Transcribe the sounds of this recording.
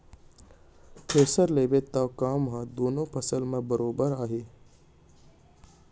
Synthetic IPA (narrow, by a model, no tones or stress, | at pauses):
pʰeːsəɾleːbet̪akaːmɦãd̪oːnõpʰɐsəlmẽbəɾoːbəɾaːɦeː